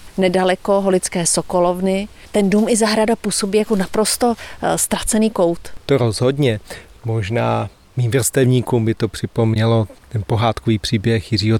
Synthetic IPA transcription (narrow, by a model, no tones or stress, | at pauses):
nɛdalɛko̞ɦo̞lɪt͡skɛːsoko̞lo̞vnɪ | t̪ɛnduːmɪzaɦɾadapuːso̞biːjakonapɾo̞st̪o̞st̪ɾat͡sɛniːko̞wt̪t̪oɾozɦodɲɛ | mo̞ʒnaː | miːmvr̩st̪ɛvɲiːkumbɪt̪o̞pr̥ɪpomɲɛlo̞t̪ɛnpoɦaːt̪koviːpr̥iːbjɛxjɪriːɦo